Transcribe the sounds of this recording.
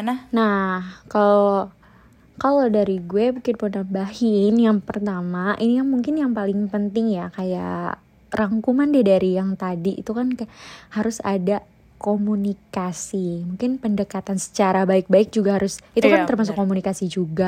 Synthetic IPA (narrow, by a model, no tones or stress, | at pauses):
nahkalo | kalodaɾiɡuɛbukɪt̪̚pənambahɪnjaŋpərt̪amaʔinijaŋmuŋkɪnjaŋpalɪŋpənt̪ɪŋjakaja̰ | raŋkumandɛdaɾijaŋt̪adiʔːt̪ukankhaɾʊsa̰da | komunikasimuŋkɪnpəndəkat̪ansə̥t͡ʃaɾabaɪk̚baɪk̚d͡ʒuɡaɦaɾʊsit̪ukant̪ərmas̬ʊkːomunikasid͡ʒuɡa